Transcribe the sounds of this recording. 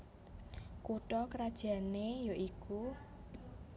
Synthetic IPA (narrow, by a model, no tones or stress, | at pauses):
kuʈɔkɾad̥ʒ̥a̤nejoʔiku